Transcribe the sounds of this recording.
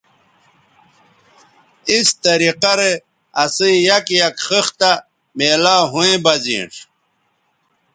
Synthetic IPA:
ist̪ɐɾiqɐɾe | ɐsijɐkjɐkχixt̪a | meːlaːɦũẽbɐzḭ̃ːʂ

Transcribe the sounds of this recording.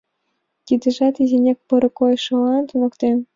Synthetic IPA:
t̪ʲid̪ə̆ʒɑt̪izʲenʲek̚pɤ̆ɾɤ̆kojʃŏlɑnt̪unɤ̆kt̪em

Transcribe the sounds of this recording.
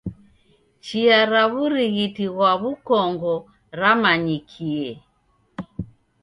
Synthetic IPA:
t͡ʃiaɾaβuɾiɣitiɣwaβukɔŋɡɔ | ɾamaɲikʰiɛ

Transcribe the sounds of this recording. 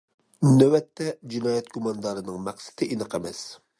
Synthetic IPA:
mnæwɛt̪ʰːɛd͡ʒinɑːjɛt̪ɡumɑnd̪ɑɾɨnɨŋmæqsɪ̥t̪ʰɪʔinɨqʰɛmɛs

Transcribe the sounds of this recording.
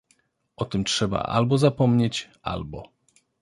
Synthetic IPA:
ɔt̪ɘmtʂɛba̰ʔa̰lbɔzapɔmɲet͡ɕʔa̰lbɔ

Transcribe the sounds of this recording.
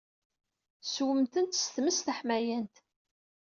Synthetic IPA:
swəmt̪ənt̪st̪məsθəħmæjənt̪

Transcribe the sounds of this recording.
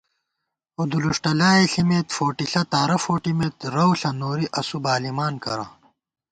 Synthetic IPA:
od̪uluʂʈɐlaːeɬimeːt̪foːʈiɬɐt̪aːɾɐfoːʈimeːt̪ɾɐwɬɐnoːɾiʔɐsubaːlimaːnkɐ̰ɾa̰ː

